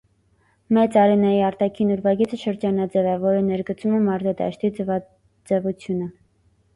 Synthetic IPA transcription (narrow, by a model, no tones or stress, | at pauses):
mɛt͡sɑɾinɛjiɑɾt̪ɑkʰinuɾvɑɡit͡sʰəʃəɾd͡ʒɑnɑd͡zɛvɛvɔɾənɛɾɡət͡sumɛmɑɾzɑd̪ɑ̰ʃt̪i | d͡zɛvut͡sʰjunə